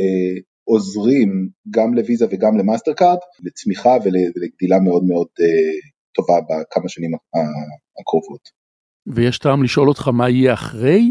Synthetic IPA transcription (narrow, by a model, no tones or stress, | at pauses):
e | o̞zʁimɡamle̞vizaveɡamlemasteʁkaʁdlet͡smiχaveleleɡd̪ilameo̞dme̞o̞de | to̞vabakʰamaʃanimaa | akʁovo̞t | vejeʃtaːmliʃʔo̞lo̞t̪χamaijeaχʁej